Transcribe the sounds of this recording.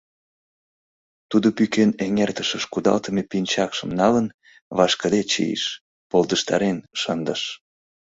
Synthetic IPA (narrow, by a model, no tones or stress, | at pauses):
t̪ud̪opykeneŋert̪əʃəʃkud̪ɑ̰lt̪əmepinʲt͡ɕɑkʃə̆mnɑlən | βɑʃkəd̪et͡ɕḭjḭʃ | pold̪əʃt̪ɑ̰ɾenʃənd̪əʃ